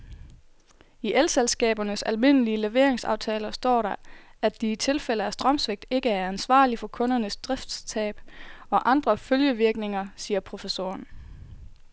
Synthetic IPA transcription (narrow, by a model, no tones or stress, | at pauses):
iʔelselsɡ̥ɛ̰ːb̥ɐnəsælme̝n̰əliəle̝ʋe̝ɐeŋsɑ̈ʊt͡sʰɛːlɐsd̥ɒ̰ːɾɑ̈æ̥d̥iːt͡sʰe̝lfeləæsd̥ʁɶmsʋeɡ̥̚d̥e̝ɡ̥əæɐænsʋɑ̰̈ːlifɒ̽kʰɔ̽nɐnəsd̥ʁɛfd̥st͡sʰɛ̰ːb̥ɒ̽ʔɑ̈nd̥ʁɐføljəʋiɐɡ̥ne̝ŋɐsiːɐpʰʁo̝fəso̝̰ːɐn